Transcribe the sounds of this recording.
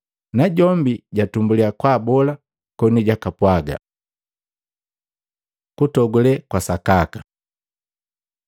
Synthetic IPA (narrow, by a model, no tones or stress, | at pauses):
naɟɔmbiɟatumbuliakwaːbɔla | kɔniɟakapwaɡa̰ | kutɔɡulɛkwasakaka